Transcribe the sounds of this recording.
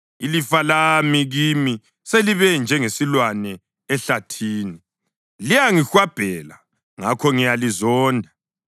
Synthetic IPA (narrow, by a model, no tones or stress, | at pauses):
ilifalamiɣimi | seliβɛnd͡ʒʱɛŋesilwanɛː | ɬatʰiːni | lijaŋixwab̥ʱɛla | ŋakʰɔŋijalizɔːndʱa